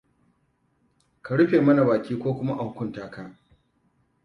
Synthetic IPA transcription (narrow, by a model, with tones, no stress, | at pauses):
ka˨ɽʊ˦ɸeː˨mɐ˦na˨baː˨kʲiː˦kʷoː˦kʷʊ˦ma˦ʔa˨ŋkʷʊ˦ntaː˦˨ka˦˨ʔ